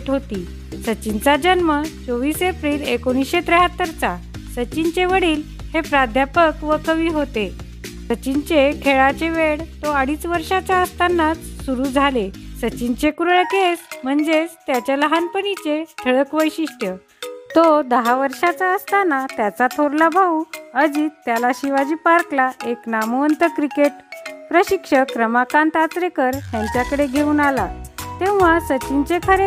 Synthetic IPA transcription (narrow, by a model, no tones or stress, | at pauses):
ʈɦot̪iː | sət͡ɕint͡sad͡ʑənmət͡soʋiːsepɾiːlekoɽ̃isɕet̪ɾeɦət̪ːəɾt͡sa | sət͡ɕint͡ɕeʋəɽiːl | hepɾad̪ʱjapəkʋəkəʋiːɦot̪e | sət͡ɕint͡ɕekʰeɭat͡ɕeʋeɽt̪oəɽiːt͡sʋəɾʂat͡ɕaəst̪anːat͡ssuɾud͡zʱalesət͡ɕint͡ɕekuɾɭkesm̤əɳd͡zet͡st̪jat͡ɕjaləɦanpənit͡set̪ʰəɭəkʋəjɕiʂʈjə | t̪od̪əɦaʋəɾʂat͡saəst̪anːat̪jat͡sat̪ʰoɾlabʱauəd͡ʑiːt̪ːjalaɕiʋad͡ʑiːpaɾklaeknamuənt̪əkɾikeʈpɾəɕikʂəkɾəmakãnt̪at̪ɾekəɾt̪jaɲt͡ɕjakəɽeɡʱeuːnalat̪ẽw̃ʋasət͡ɕiɲt͡ɕekʰəɾe